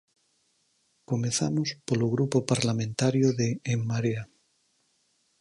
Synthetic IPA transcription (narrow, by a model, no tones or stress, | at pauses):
komeθamospoloɣ̞ɾupopaɾlamẽnt̪aɾjoðeːmːaɾea